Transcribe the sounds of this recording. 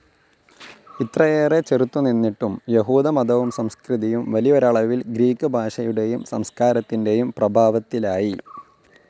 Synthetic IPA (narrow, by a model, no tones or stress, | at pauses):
it̪ːrɐjeːre̞t͡ɕerut̪ːuninːiʈːumjeɦuːðɐmɐd̪ɐʋumsɐmskriðijumʋɐlijoɾɐɭɐʋilɡɾiːkːɨbʱaːʂɐjuɽe̞jumsɐmskaːɾɐt̪ːinde̞jumprɐbʱaːʋɐt̪ːilaːji